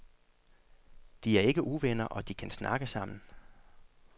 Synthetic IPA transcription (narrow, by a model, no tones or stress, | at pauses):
d̥iæɐe̝ɡ̥əʔuʋenɐʔɒ̽d̥ikʰænsnɑ̈ɡ̥əsɑ̈m̰n̩